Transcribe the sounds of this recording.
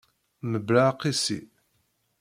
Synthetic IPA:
məbɾaqːisḭ

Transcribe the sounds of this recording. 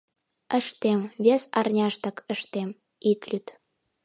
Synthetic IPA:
əʃt̪emβʲesɑrnʲɑʃt̪əkə̆ʃt̪em | it̪lʲyt̪

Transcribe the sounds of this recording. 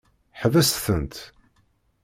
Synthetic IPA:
ħvæsθənt̪

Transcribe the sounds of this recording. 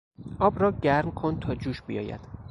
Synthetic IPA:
ʔɒːbɾɒːɟæɾmkʰo̞nt̪ʰɒːd͡ʒuːʃbḭjɒ̰ːjæ̰d̪̥

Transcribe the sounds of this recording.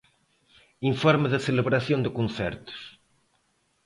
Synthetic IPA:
ĩɱfɔɾməðɐseleβɾɐθjõnd̪ɪkũnθɛ̰ɾt̪ʊ̥s

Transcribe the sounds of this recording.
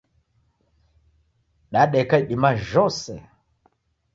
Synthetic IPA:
ɗaɗɛkaiɗimaʒɔsɛ̰

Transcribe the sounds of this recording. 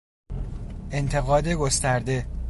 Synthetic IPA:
e̞nt̪ʰe̞ɣɒːd̪eɡo̞st̪æɾd̪e̞

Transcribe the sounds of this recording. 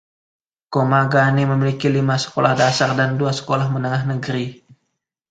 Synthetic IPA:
komaɡaniməmilikilimasə̥kolahdasardanduasə̥kolahmənəŋaɦnəɡəɾi

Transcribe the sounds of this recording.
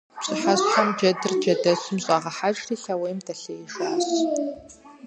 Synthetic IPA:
ɕʼɨħaɕʼħɐmd͡ʒɐdɨrd͡ʒɐdɐsɨmɕʼaːʁɐħat͡ʃʼriːɬɐwejmdʰɐɬejɪʃaːɕ

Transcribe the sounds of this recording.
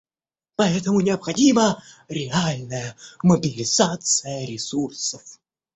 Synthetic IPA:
pɐɛt̪əmʊnʲɪəpxɐdʲiməɾʲɪalʲnəjəməbʲɪlʲɪzat̪sɨjəɾʲɪsursəf

